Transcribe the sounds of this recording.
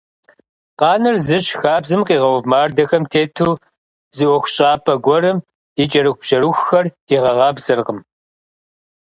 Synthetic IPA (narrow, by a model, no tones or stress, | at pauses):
qɑːnɨrzɨɕxaːbzɨmqiːʁɐwvmaːrdɐxɐmtʰeːtʰuː | zɨʔʷɔxʷʊɕʼaːpʰɐɡʷɔɾɨm | it͡ʃʼɐɾɨxʷʊʒʼɐɾuxʷxɐr | iʁɐʁɑːbzɨrʁəm